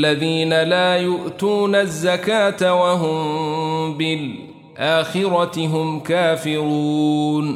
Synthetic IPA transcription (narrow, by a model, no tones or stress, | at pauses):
aðiːnalaːjʊʔt̪uːnazːakaːt̪awaɦʊm | bɪl | ʔaːxɪɾɑt̪ɪɦʊmkaːfɪɾuːn